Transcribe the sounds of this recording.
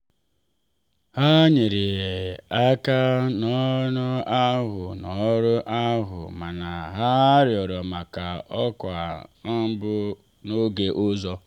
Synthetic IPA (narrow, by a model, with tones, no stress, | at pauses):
ha˦ɲɪ˨ɾɪ˨a˦ka˦nɔ˦nʊ˦a˦ɦʊ˨nɔ˨˦ɾʊ˦ʔa˦ɦʊ̰˨ma˨na˨ɦa˦ɾjɔ˨ɾɔ˨ma˨ka˨ʔɔ˦kʷa˨˦ | bʊ˦ | no˦ɡe˦ʔʊ˦zɔ˦